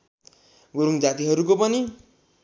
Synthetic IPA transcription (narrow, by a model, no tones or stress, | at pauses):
ɡoɾuŋd͡zat̪iɦʌɾukopʌni